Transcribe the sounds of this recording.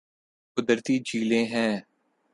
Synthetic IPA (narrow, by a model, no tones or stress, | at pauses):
kʊd̪əɾt̪iːd͡ʒʱiːlẽːɦɛ̃ː